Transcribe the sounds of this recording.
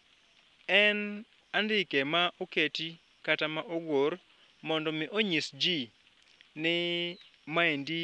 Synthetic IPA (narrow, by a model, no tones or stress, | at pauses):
ɛn | andɪkemaʔoketi | katamaʔoɡoɾ | mɔndɔmɪʔoɲisd͡ʒi | nɪ | maendi